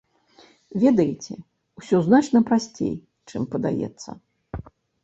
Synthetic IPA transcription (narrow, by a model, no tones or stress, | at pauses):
vʲɛd̪ɐjit͡sʲɛ | wsʲɔznat͡ʂnɐpɾasʲt͡sʲḛj | t͡ʂɨmpɐd̪a̰jɛ̰t̪sːɐ̰